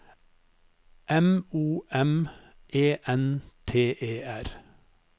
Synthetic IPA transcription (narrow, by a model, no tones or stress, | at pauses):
ʔɛmuːʔɛm | ʔeːʔɛnt̪ʰeːʔeːæɾ